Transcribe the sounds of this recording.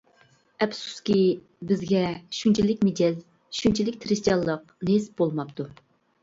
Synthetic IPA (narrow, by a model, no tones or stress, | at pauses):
ɛpsu̥skʲi | bɪzɡʲɛʃunt͡ʃʰilɪkʲmed̪ɛl | ʃunt͡ʃʰilɪkʲt̪ʰɾɪst̪ijɑlˠːəq | nesbolˠmɑp̚t̪ʰu